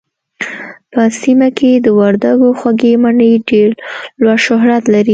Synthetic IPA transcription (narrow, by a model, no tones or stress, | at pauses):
pəsimakʰed̪əwaɾd̪aɡoxwaɡemaɳəjɖeɾlwaʃʊɦɾat̪laɾi